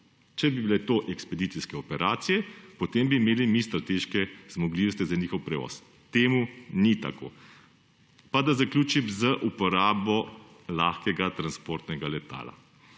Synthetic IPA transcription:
t͡ʃɛbibilɛt̪oʔɛkspɛd̪it̪siskɛɔpɛɾaːt̪sijɛpɔt̪embiːmeːlimist̪ɾat̪eːʃkɛz̥mɔɡliwst̪izaniːxɔwpɾɛʋɔ̰s | t̪eːmunit̪a̰ko̰ː | pad̪azaklʲuːt͡ʃimzəʔupɔɾaːbɔ | laːxkɛɡat̪ɾanspoɾt̪nɛɡalɛt̪a̰ːla̰

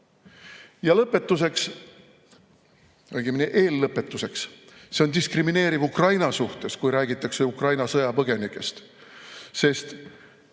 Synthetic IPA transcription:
jɑlɤpːˑe̞t̪ːˑus̬e̞ks | olɡimneʔe̞ːlːɤpːˑe̞t̪ːˑuse̞ksse̞o̞nd̪iskrimine̞ːɾivukrɑjnɑsuht̪e̞skujɾæːɡit̪ːˑɑkseukrɑjnɑsɤjɑpɤɡ̥e̞nikːˑe̞st̪ | se̞st̪

